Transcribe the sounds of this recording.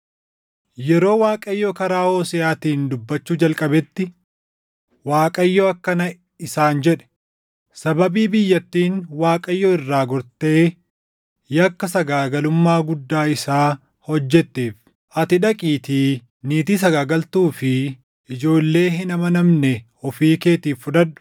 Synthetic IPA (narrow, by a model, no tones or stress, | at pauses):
jɛɾo̞ːwaːkʼɐjːoːkɐɾaːhoːsɪaːt̪iːnd̪ʊbːɐt͡ʃːuːd͡ʒɐlkʼɐbɛt̪ːɪ | waːkʼɐjːoːɐkːɐnɐ | ɪsaːnd͡ʒɛᶑɛ̥ | sɐbɐbiːbɪjːɐt̪ːiːnwaːkʼɐjːɔːɪrːaːɡɔɾt̪eː | jɐkːɐsɐɡaːɡɐlʊmːaːɡʊd̪ːaːɪsaː | hɔd͡ʒːɛt̪ːeːf | ʔɐt̪ɪᶑɐkʼiːt̪i | niːt̪iːsɐɡaːɡɐlt̪uːfɪ | ʔɪd͡ʒo̞ːlːe̞ːɦɪnɐmɐnɐmnɛ | ɔfiːke̞ːt̪iːfːʊᶑ̪ɐᶑʊ̥